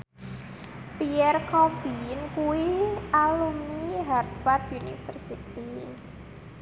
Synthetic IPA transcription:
piɛrkʰɔfinkuwiʔalumniɦart̪fat̪̚junifərsit̪i

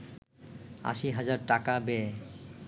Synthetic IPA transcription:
a̰ʃiɦad͡ʑaɾʈakabɛ

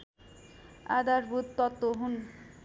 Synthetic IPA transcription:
a̰d̪aɾbud̪t̪ɔt̪ːoɦun

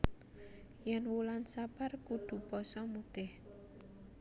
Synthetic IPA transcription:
jɛnwulansaparkuɖ̪̥ṳpɔsɔmut̪ɪh

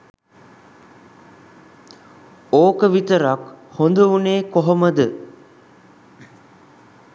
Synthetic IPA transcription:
oːkəʋit̪əɾakhond̪əuneːkoɦoməd̪ə

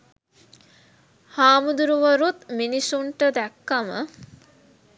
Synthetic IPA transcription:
haːmud̪uɾuʋəɾut̪minisuɳʈəd̪ɛkːamə̰

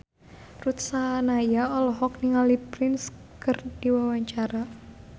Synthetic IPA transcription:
rut̪sanajaɔlɔɦɔk̚niŋalipɾɪnskɨrd̥iwawaɲt͡ʃaɾa

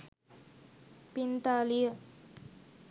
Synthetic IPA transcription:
pint̪alijə

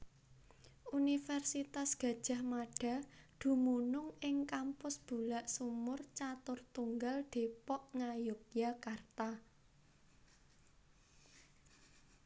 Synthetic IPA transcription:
unifɛrsit̪asɡ̥ä̤d̥ʒ̥a̤hmaɖ̥a̤d̪̥ṳmunʊŋɪŋkampʊsb̥ṳlaʔsumʊrt͡ʃat̪ʊrt̪uŋɡald̪̥e̤pɔʔŋajʊp̚jakart̪a

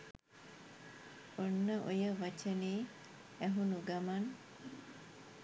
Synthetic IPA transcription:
unːəʔujəʋɐt͡ʃeniː | eɦunuɡɐmɐn

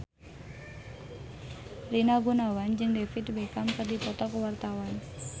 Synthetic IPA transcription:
rinaɡunawand͡ʒəŋdefit̪bekamkərdipɔt̪ɔkəwart̪awan

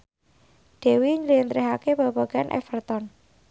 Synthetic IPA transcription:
ɖ̪̥e̤wiɲəlint̪ɾiɦakebaba̤ɡ̥a̤nʔɛ̰fərt̪ɔn

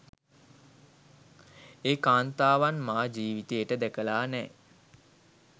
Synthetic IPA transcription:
eːkaːnt̪aːʋanmaːd͡ʒiːʋit̪ejəʈəd̪ækəlaːnɛː

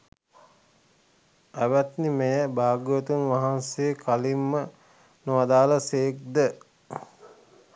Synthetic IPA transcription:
æʋæt̪nimejəbaːɡjət̪unʋaɦansejəkalimːə | noʋad̪aːləseːk̚d̪ə

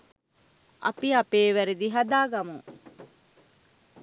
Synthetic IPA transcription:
ʔɐ̰piɐpeːʋæɾed̪iɦɐd̪aːɡɐmuŋ

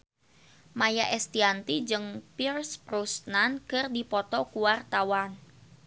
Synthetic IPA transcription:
majaʔɛst̪iant̪id͡ʒɨŋpirsprusnankərdipɔt̪ɔkuwart̪awan

